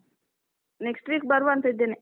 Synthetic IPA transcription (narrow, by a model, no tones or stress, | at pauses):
neksʈʋik̚baɾʋant̪ed̪ene